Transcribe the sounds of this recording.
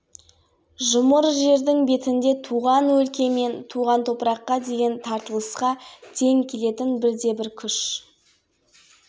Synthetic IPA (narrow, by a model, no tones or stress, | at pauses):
ʒʊməɾʒe̞ɾd̪ɪŋbe̞t̪ɪnd̪e̞t̪ʰuʁɑnwɵlkʲe̞me̞nt̪ʰuʁɑnt̪ʰo̞pəɾɑqːɑd̪e̞ɡʲe̞nt̪ʰɑɾt̪əlˠəsqɑt̪ʰe̞ŋkʲʰe̞le̞t̪ɪnbɪɾd̪e̞bɪɾkʲʰʏʃ